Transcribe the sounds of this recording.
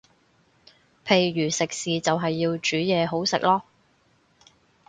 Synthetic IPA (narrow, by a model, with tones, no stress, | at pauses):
pʰe˨˩jɥyː˨˩sɪ˨k̚siː˨t͡sɐ˨wɦɐ˨jːiː˧wt͡ʃyː˨˥jɛː˨˧ɦo˨˥wsɪ̰˨k̚lɔː˥